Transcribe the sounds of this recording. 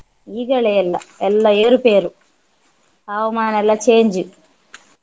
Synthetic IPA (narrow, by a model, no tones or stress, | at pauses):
iːɡɐɭelːɐɛlːɐeːɾupe̞ːɾu | ɐʋɐmaːnɐlːɐt͡ʃeːɲd͡ʒu